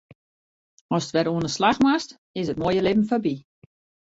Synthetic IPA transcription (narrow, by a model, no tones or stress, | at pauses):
ɔsətʋɛɾoənəslaxmast | ɪsət̚moəjəlɪbm̩fabi